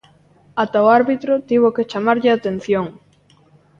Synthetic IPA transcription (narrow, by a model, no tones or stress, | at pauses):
at̪aoaɾβit̪ɾʊt̪iβ̞ʊket͡ʃamaɾʎɪat̪en̟θjoŋ